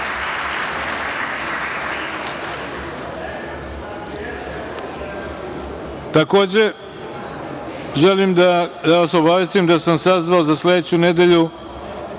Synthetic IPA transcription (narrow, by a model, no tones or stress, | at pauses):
t̪ako̞ːd͡ʑe̞ | ʒe̞limd̪aaʋasobaʋjest̪imd̪asamsazʋaozasle̞d̪et͡ɕune̞d̪e̞ʎu